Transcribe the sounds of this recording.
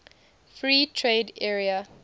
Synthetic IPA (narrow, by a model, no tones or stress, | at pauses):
fɹiːtʰɹeːdɛːɹia